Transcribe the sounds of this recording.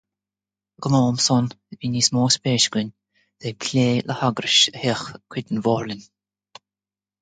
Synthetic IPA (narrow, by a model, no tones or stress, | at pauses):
ɡ̥əmɔːmsɔn | viːniːsmɔːspeːʃɡʊnʲ | d̪̥ekʰlʲeːlʔəhaɡɾəʃəhɛxkʰwɪd̪ənvɔːɹlɪnʲ